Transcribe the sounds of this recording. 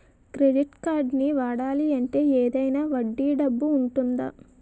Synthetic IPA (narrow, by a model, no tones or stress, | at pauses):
kɾe̞ɖiʈkaːɾɖniʋaːɽaːliɐɳʈe̞ːeːd̪ɐjnaːʋɐɖːiːɖɐbːuːɳʈund̪a̰ː